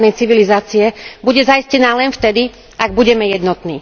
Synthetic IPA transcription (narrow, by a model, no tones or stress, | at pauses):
nɛjt͡siʋilizaːt͡siɛbuɟɛzajiscɛnaːlɛnft̪ɛd̪i | aɡbuɟɛmɛjɛd̪nɔt̪nḭː